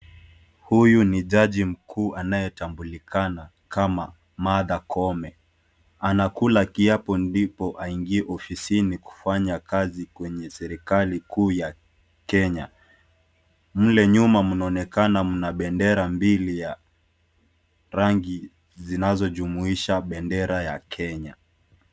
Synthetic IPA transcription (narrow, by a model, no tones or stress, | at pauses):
hujuniʄaʄim̩kʰuːʔanajɛtambulikʰana | kama | maðakʰɔmɛ | anakulakiapɔndipɔʔaiŋɡiɛʔɔfisiniku̥faɲakazikwɛɲɛsɛɾikalikuːja | kɛɲa | m̩lɛɲumamunaɔnɛkanamunaɓɛndɛɾambilija | ɾaŋɡi | zinazɔʄumuiʃaɓɛndɛɾajakʰɛɲa